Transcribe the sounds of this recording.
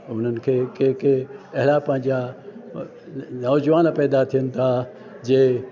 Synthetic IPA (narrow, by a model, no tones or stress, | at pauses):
ʊn̤ənɪ̆kʰeːkeɦkeɐɦɪlapɐ̃ɦɪ̃ɲd͡ʑa | nɔːd͡ʑʋaːnpɛːd̪at̪ʰijənɪ̆t̪ʰa | d͡ʑeː